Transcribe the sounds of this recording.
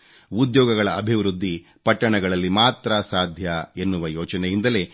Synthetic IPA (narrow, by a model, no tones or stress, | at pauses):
ud̪jɔːɡɐɡɐɭɐɐbʱiʋɾud̪ːi | pɐʈːɐɳɐɡɐɭɐlːimaːt̪ɾɐsaːd̪ʱjɐe̞nːuʋɐjɔːt͡ʃɐnɛjind̪ɐle̞